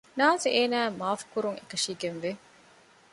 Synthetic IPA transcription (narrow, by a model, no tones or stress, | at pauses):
naːnseʔeːnæːmaːfkuɾuŋekɐʃiːɡenʋe